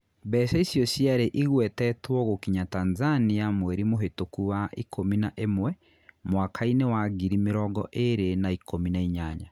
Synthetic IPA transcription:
bɛːsɛisjɔsiaɾeʔiɣwɛtɛtwɔɣokiɲatanzaniamwɛɾimoɦetokuwaʔikʰominaʔemwɛ | mwakʰainewaɣiɾimeɾɔɡɔ̰ʔeɾenaikʰominaiɲaːɲa

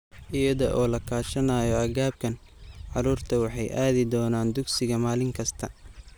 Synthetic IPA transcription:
ʔɪjɐðɔʔɔːlɐkʰaːʃɐnaːjɔɐɣaːb̚kʰɐn | ʕɑɾuːrt̪ʰɐwɑħɑjʔaːðɪd̪ɔːnaːnd̪ʊɡsɪɣɐmaːlɪŋkʰɐst̪ʰɐ

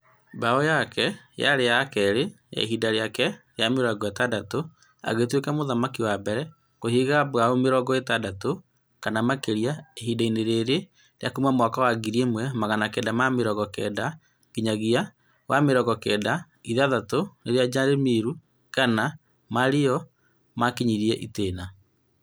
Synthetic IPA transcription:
baɔjakʰɛjaɾejakɛɾe | ja̰ḛɦidaɾeakɛɾeameɾɔɡɔetadato | a̰ɣetwekɛmoðamakiwabɛɾɛ | kohiɣabwaomeɾɔɡɔetadato | kanamakeɾiaeɦidaineɾeɾe | ɾeakumamɔkawaɡiɾiemwɛmaɣanakɛdamameɾɔɣɔkɛ̰da | ɣiɲaɣia | wʔameɾɔɣɔkɛːda | iðaðatoneɾead͡ʒaɾemiɾu | kana | maɾeɔ | makiɲiɾiɛʔiteːna

